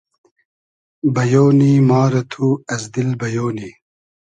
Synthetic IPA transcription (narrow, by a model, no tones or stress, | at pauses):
bɐjoːniːmɑːɾɐt̪ʰuɐzd̪ilbɐjoːniː